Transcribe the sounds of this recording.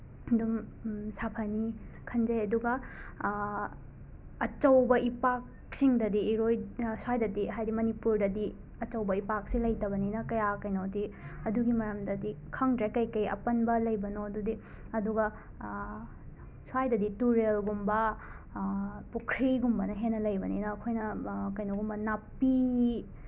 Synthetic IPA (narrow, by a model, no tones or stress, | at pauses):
dum | sapʰɐnikʰɐnd͡ʒɐjɐduɡɐ | t͡ʃɐwbɐʔipak̚ | siŋdɐdiːɾojswajdɐdiɦajɾimɐnipuɾdɐdi | ɐt͡ʃɐwbɐipak̚silɐjtɐbɐninɐkɐjakɐjnodiɐduɡimɐɾɐmdɐdikʰɐŋdɾekɐjkɐjɐ̰pɐnbɐlɐjbɐnoɐdudi | ɐduɡɐ | swajdɐdituɾelɡumbɐ | pukʰɾiɡumbɐnɐɦenːɐlɐjbɐnḭnɐːkʰojnɐkɐjnoɡumbɐnapːi